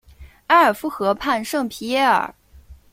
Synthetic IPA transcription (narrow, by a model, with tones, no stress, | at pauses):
a˥ə˞˨˩fu˥˩xɤ˧˥pʰa˥˧nʂɤ˥˩ŋpʰi˧˥jɛ˥˩ə̰˞˨˩